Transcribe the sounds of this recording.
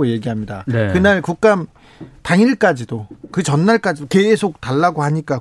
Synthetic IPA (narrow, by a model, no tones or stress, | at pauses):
oje̞ɡiɦamɲida̰nekɯnaɭkuk̚k͈am | taŋiɭk͈ad͡ʑidokɯt͡ɕʌnːaɭk͈ad͡ʑidoke̞sʰok̚taɭːaɡoɦaɲik͈a